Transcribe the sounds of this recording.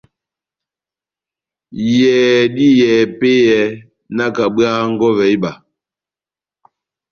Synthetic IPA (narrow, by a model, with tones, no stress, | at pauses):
jɛː˨di˦jɛː˨pe˦jɛ˨˦ | na˦ka˨ɓɰa˦ŋ̩˦ɡɔ˦vɛ˨˦i˦ba˨